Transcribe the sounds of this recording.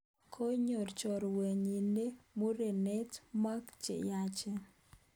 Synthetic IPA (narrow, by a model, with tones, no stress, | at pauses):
kʰo˦ɲo˨rt͡ʃɔ˨ɾwə˨ɲi˨ne˦mo˦ɾe˨ne˦tma˦kt͡ʃḛ˨ja˦t͡ʃe˦